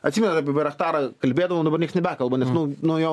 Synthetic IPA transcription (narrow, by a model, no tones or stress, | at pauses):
ɐtʲsʲiːmɛnɐt̪ɑːpʲiɛʋʲɐɾɐxt̪ɑːɾɑkɐlʲbʲeːd̪ɐʋomːd̪ɐbɐrnʲiɛksnʲɛbʲæːkɐlˠbɐnʲɛsnʊnojoː